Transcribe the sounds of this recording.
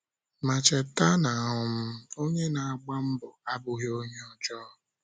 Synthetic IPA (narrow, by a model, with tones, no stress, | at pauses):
ma˨t͡ʃɛ˨ta˦na˨ɦʊ˨m̩˦o˦ɲe˦na˨a˨ɡ͡ba˦m̩˦bʊ˨a˦bʊ˨ɦi˦o˦ɲe˦ɔ˨d͡ʒɔ˦˨